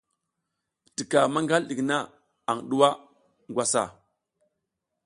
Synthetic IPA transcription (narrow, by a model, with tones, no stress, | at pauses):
ti˨ka˨ma˦ŋɡa˦lɗi˨kna˦ | a˨ŋɗu˦wa˦ | ŋɡʷwa˦sa̰˨